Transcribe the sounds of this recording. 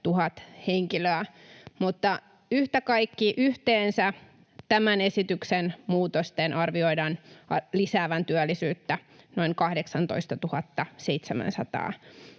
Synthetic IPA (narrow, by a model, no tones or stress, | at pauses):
t̪uhɑt̪heŋkiløæmut̪ːɑ | yht̪ækɑikːiʔyht̪eːnsæ | t̪æmænesit̪yksenmuːt̪ost̪enʔɑrʋioidɑnɑlisæːʋænt̪yælːisyːt̪ːænoiŋkɑhdeksɑnt̪o̰ist̪ɑt̪uhɑt̪ːɑseit̪semæ̰̃nsɑ̰t̪ɑ̰ː